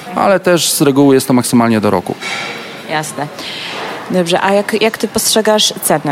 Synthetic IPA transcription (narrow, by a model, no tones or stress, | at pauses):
a̰lɛt̪ɛʂzɾɛɡuwjɛst̪ɔmaksɘmalɲɛd̪ɔɾɔ̰kṵ | jasnɛ | d̪ɔbʐɛʔajakjʔakt̪ɘpɔstʂɛɡaʂt̪sɛnɛ